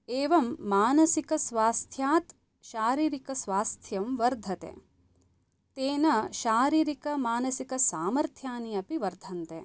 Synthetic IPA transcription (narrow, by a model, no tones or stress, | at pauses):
eːʋɐmːaːnɐsikɐsʋaːst̪ʰjaːt̪ | ʃaːɾiːɾikɐsʋaːst̪ʰjɐmʋɐɾd̪ʱɐt̪ḛː | t̪eːnɐʃaːɾiːɾikɐmaːnɐsikɐsaːmɐɾt̪ʰjaːniɐpiʋɐɾd̪ʱɐnt̪ḛː